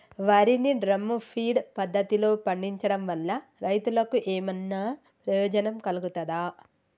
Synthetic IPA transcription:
ʋaːɾiniɖɾɐmːupʰiːɖpɐd̪ːɐt̪ilo̞ːpɐɳɖiɲt͡ʃɐɽɐmʋɐlːɐɾɐjt̪ulɐkuʔeːmɐnːɐ | pɾɐjoːd͡ʒɐnɐmkɐluɡut̪ɐd̪aː

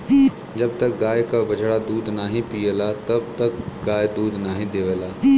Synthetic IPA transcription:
d͡ʒɐb̚t̪ɐk̚ɡaːjkabɐd͡ʒʱɽad̪uːd̪naːɦĩpiːəlat̪ɐb̚t̪ɐk̚ɡaːjd̪uːd̪naːɦĩd̪eːʋəlaː

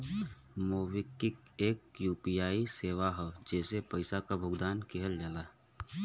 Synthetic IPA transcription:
moːʋɪkːɪkeːk̚juːpijaːiseːʋaɦɛd͡ʒɛːsepəɪsakabʱʊɡd̪aːnkʰeɦəld͡ʒaːlaː

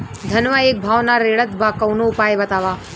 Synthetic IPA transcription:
d̪ʱɐnʋaeːk̚bʱaːʋnaɾeːɭət̪bʱakɐwnoʊpaːjebɐt̪aːʋaː

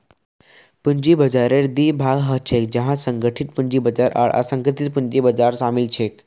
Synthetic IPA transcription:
puɲd͡ʑiːbəd͡zaɾeɾd̪iːbʱaɡɦət͡ɕʰek̚d͡ʑɛɦãsəŋɡʱəʈʰit̪̚puɲd͡ʑiːbəd͡zaɾʔa̰ɭʔa̰səŋɡʱət̪it̪̚puɲd͡ʑibəd͡zaɾsamilt͡ɕʰek

